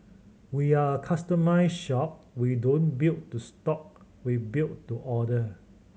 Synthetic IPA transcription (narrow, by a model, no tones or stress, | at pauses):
wiaəkʰastəmaɪsʃɔp̚ | widõnbilttustɔk̚ | wibilttuʔɔdə